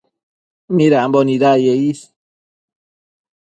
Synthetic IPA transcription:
miɾæmbɔniɾajeis

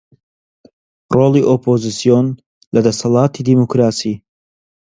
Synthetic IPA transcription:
roːlˠiʔopʰozisijon | lɐd̪ɐsɐlˠɑːt̪ʰid̪imokɾaːsiː

